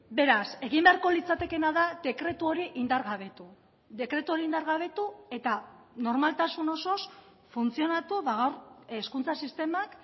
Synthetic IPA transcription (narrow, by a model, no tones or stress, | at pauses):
be̞ɾase̞ɣimbe̞aɾko̞lit͡sat̪e̞ke̞naðad̪e̞kɾe̞t̪uo̞ɾiʔind̪aɾɣaβe̞t̪u | ðe̞kɾe̞t̪uo̞ɾiind̪aɾɣaβ̞e̞t̪ue̞t̪a | no̞ɾmalt̪asuno̞so̞s | funt͡sio̞nat̪uβaɣawɾskunt͡sasist̪e̞mak